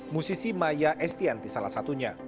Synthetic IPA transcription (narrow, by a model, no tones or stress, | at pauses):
musisimajaʔɛst̪iant̪isala̰hsat̪uɲa